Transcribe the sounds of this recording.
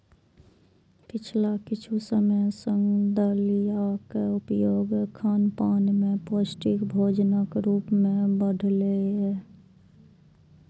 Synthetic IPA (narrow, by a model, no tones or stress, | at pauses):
pɪt͡ʃʰlakɪt͡ʃʰusəməjsə̃ŋɡd̪əliakeʊpjoːɡkʰaːnpaːnmẽposʈɪkbʱoːd͡ʒnakeɾuːpmẽbəɽ̤ʱleɦɛː